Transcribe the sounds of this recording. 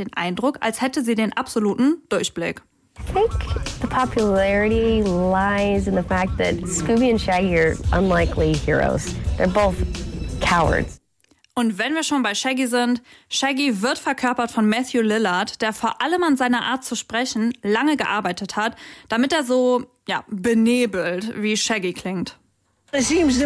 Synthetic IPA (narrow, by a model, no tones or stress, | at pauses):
eːnʔa̰ɪndʁʊka̰lshɛtəziːdeːnʔapz̥oluːtn̩d̥ʊɐçb̥lɪ̰k | θẽɪkðəpʰɑpʰjɨlɛɹɨɾilaɪzɨ̃nðəfæk̚t̪̚ðɨ̰t̚skʉbiɨ̃nʃæɡiə˞ʔə̰̃nlaɪkʰlihɪɹo̰ʊz̥ðə˞boʊθkʰaʊə̰˞dz̥ | ʔʊntv̥ɛnviːɐʃoːnbaɪʃɛɡizɪntʃɛɡivɪɐtfɛɐkʰœɐpɐtfɔnmɛθjulɪlɐtd̥eːɐfoːɐʔaləmanzaɪnɐʔaːɐt̚t͡suʃpʁ̥ɛçn̩laŋəɡəʔaɐbaɪtəthatd̥amɪteːɐzoː | jaːbəneːbl̩tviːʃɛɡikʰl̥ɪŋt | sims